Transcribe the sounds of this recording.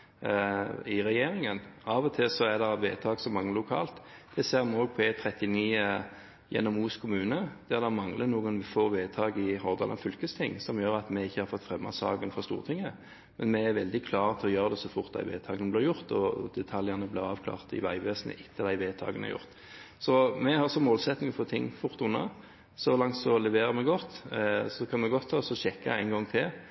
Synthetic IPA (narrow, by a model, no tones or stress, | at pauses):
ɪʁɛjeːɾɪŋənɑːʋɔt̪ʰɪlsɔæd̪ɛʋeːt̪ʰɑːɡsɔmɑŋːəlʊkʰɑ̰ːlt̪d̪̥ɛseːɾmoːlpʰɔet̪ʰɾɛt̪ɪniːə | jɛ̰nːɔmuːskʰʊmʉːnəd̪̥ɛd̪ɑmɑŋlənuːɡənʋfoːʋeːt̪ʰɑːɡɪɦɔʁd̪ɑ̰lənfʏlkəst̪ʰɪŋːsɔmjøːɾɑt̪mɛɪçːəhɑɾfɔt̪ːfʁɛmːɑ̰sɑ̰ːɡənfɔʁst̪ṵːʁt̪ʰɪŋːə | mɛnmɛæɾʋɛld̪ɪkʰlɑːʁt̪ʰɪlɔjøːʁəd̪ɛsɔfʊʁt̪̚d̪æ̰ɪʋḛːt̪ʰɑːɡənəblɪːɾjʊʁt̪ɔd̪ɛt̪ʰɑljənəblɪʁɑːʋkʰlɑ̰ːʁt̪ɪ̰ʋæɪʋeːsənə̰ʔɪt̪ʰːəd̪æɪʋeːt̪ʰɑ̰ːɡənə̰jʊ̰ʁt̪ | sɔmɛhɑɾsɔmoːlsɛt̪nɪŋɔfɔːt̪ʰɪŋːfʊʁt̪ʊnːɑ̰ | sɔlɑŋt̪sɔlɛʋeːɾəɾmɛɡɔt̪ːsɔkʰɑnmɛɡɔt̪ʰːɑːsɔɕɛkːɑæɪnɡɔŋt̪ʰɪl